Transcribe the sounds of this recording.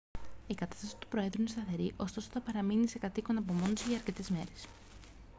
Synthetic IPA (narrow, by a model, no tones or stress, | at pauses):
ikɐt̪ɐ̥st̪ɐsi̥t̪u̥pɾo̞e̞ðɾuinest̪ɐθe̞ɾiʔo̞st̪o̞soθɐpɐɾɐminise̞kɐt̪iko̞nɐpo̞mo̞nosiʝɐɐɾce̞t̪e̞zme̞ɾe̞s